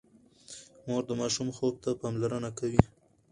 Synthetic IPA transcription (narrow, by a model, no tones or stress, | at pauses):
moɾd̪əmɑʃumxob̚t̪apɑmlaɾənakawi